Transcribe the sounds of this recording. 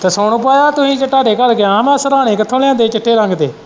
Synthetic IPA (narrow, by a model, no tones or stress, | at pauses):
t̪eːsoːɳõːpaːjaːt̪ʊsĩːt͡ʃəʈːaːɾeːkəɾɡɪãːmɛ̃ːsəɾaːɽ̃eːkət̪ʰõːlãːd̪eːt͡ʃɪʈʰːeːɾəŋɡd̪eː